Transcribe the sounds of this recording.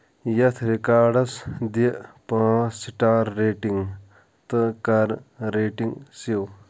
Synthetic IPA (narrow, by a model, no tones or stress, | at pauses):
jɐt̪ʰɾikaːɖɐsd̪iʔpãːsiʈaːɾːeːʈiŋ | t̪ɨkɐɾɾeːʈiŋsiw